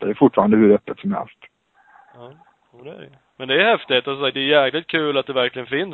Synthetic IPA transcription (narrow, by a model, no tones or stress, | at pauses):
d̪ɛæjfʊʈfɑːɾand̪əhɵɾœpːət̪sɔmhɛ̰lst̪ | ɑː | juːd̪ɛæ̰ɾj | mɛnd̪ɛːjhɛft̪ɪet̪asɔsakt̚d̪ɛːɾjɛːklɪt̪̚kʰʉ̟ːlat̪̚d̪ɛvæɾklɪɡənfɪn